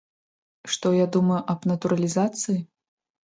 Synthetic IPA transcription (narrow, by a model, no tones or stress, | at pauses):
ʂt̪ɔjad̪umɐjuʔɐbnɐt̪uɾɐlʲizat̪sɨji